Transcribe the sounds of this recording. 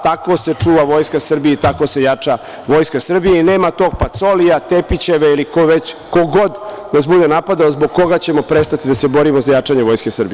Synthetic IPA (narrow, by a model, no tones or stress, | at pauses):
t̪ako̞se̞t͡ʂuːʋaʋo̞jskasr̩biet̪ako̞se̞jat͡ʂa | ʋo̞jskasr̩bijeineːmat̪o̞ːɡ̚pat̪so̞lijat̪epit͡ɕe̞ʋeilikoʋet͡ɕko̞ɡo̞d̪nasbud̪e̞napad̪aozboɡ̚ko̞ɡat͡ɕe̞mo̞pɾest̪at̪id̪asebo̞ɾimozajat͡ʂaɲeʋo̞jske̞sr̩bi